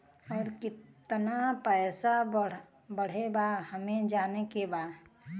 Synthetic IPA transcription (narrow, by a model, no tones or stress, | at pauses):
ɔːɾkɪt̪napɛːsa | bəɽ̤ebahəmẽd͡ʒaːnekebaː